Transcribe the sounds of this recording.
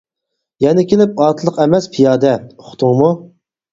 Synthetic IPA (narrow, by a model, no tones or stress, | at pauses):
jɛnɪkʲʰelɪp̚ɑt̪ʰlˠəqɛmɛspʰijɑːd̪ɛoχʊ̥t̪ʰʊŋmu